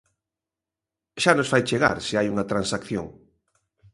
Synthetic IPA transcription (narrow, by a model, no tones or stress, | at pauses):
ʃanosfajt͡ʃeɣa̰ɾseajuŋɐt̪ɾansakθjo̰ŋ